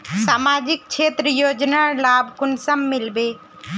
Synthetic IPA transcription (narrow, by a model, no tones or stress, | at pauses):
saːmaːd͡ʒɪk̚t͡ʃʰeːt̪ɾəjoːd͡ʒnalaːbʱkʊnsəmːɪlbeː